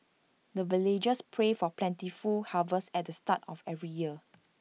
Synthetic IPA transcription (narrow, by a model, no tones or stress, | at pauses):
dəviled͡ʒəspʰɹefɔplɛ̃ntifulhavəsɛt̚dəstatɔfɛvɹijiə